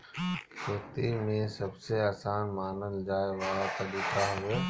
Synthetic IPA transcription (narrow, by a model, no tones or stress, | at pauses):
kʰeːt̪imẽsɐbseaːsaːnmaːnəld͡ʒaːeʋɐɦat̪ɐbiːkaɦueː